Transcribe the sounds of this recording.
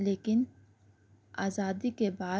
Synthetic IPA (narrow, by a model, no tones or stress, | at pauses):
leːkɪn | a̰ːzaːd̪ikebaː